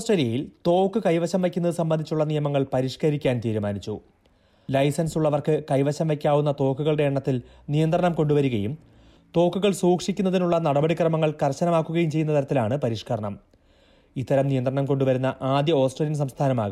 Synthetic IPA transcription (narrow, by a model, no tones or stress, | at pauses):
osʈreːlijɐjilt̪o̞ːkːɨkɐjʋɐɕɐmʋe̞kʲːunːɐðɨsɐmbɐnd̪it͡ɕːuɭːɐnijɐmɐŋːɐɭpɐɾiːʂkɐɾikʲːaːnt̪iːɾumaːnit͡ɕːu | lɐjsɐnsuɭːɐʋɐrkɨkɐjʋɐɕɐmʋekʲːaːʋunːɐt̪o̞ːkːuɣɐɭɨɖe̞ːɳːɐt̪ːil | nijɐnd̪rɐɳɐmko̞ɳɖuʋɐɾuɣɐjum | t̪o̞ːkːuɣɐɭsuːkʂikʲːunːɐðinuɭːɐnɐɽɐbɐɽikrɐmɐŋːɐɭkɐrɕɐnɐmaːkːuɣɐjumt͡ɕejːunːɐt̪ɐɾɐt̪ːilaːɳɨpɐɾiːʂkɐɾɐɳɐm | it̪ːɐɾɐmnijɐnd̪rɐɳɐmko̞ɳɖuʋɐɾunːɐʔaːd̪jɐo̞ːsʈreːljɐns̬ɐmst̪ʰaːnɐmaːɣu